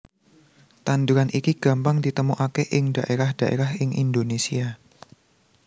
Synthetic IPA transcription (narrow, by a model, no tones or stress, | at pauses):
t̪and̪uɾanʔikiɡ̥a̤mpaŋdit̪əmuʔakeʔɪŋd̥aʔeɾahd̥aʔḛɾahɪŋʔḭnd̪onesia